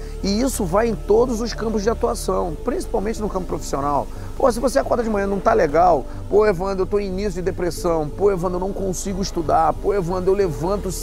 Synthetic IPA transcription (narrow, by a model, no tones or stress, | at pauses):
ɪisʊvajẽj̃t̪od̪ʊzʊskɐ̃mpʊzd͡ʒɪat̪uasɐ̃w̃pɾĩsi̥pawmẽnt͡ʃɪnʊkɐ̃mpʊpɾofi̥sionaw | po̰s̬ɪvoseakɔɾd̪ɐd͡ʒɪmɐ̃ɲɐ̃nɐ̃w̃t̪aleɡaw | poevɐ̃nd̪ʊewt̪oẽinisjʊd͡ʒɪd̪epɾesɐ̃w̃poeɾvɐ̃nd̪ɐewnɐ̃w̃kõsiɡʊiʃt̪ud̪aɾpoevɐ̃nd̪ewlevɐ̃nt̪ʊs